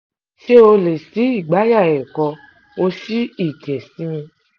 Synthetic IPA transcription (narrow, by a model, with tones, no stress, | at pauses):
ʃe˦o˧le˨si˨˦i˦˨ɡ͡ba˨˦ja˦˨ɛ˨kɔ˧ | o˧ʃi˦i˦˨d͡ʒɛ˨si˨˦mĩ˧